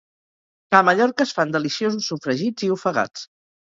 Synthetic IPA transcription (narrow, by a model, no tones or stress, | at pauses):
kaməʎɔɾkəːsfand̪əlisiozusːufɾəʒid͡ziufəɣa̰t͡s